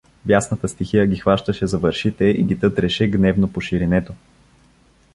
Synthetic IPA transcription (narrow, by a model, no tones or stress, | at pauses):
bjasnət̪əst̪ixijəɡʲixvaʃt̪əʃɛzɐvəɾʃit̪ɛiɡʲit̪ɤt̪ɾɛʃɛɡnɛvnopoʃiɾinɛt̪o